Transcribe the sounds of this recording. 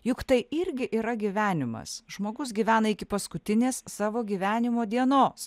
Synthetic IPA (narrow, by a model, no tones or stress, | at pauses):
jʊkt̪ɐɪɪɾʲɡʲɪʔiːɾɐɡʲiʋʲæːnʲɪmɐ̰sʒmoːɡʊsɡʲiːʋʲæːnɐɪkʲɪpɐskʊt̪ʲɪnʲeːssɑːʋoːɡʲiːʋʲæːnʲɪmoːd̪ʲiɛnoːs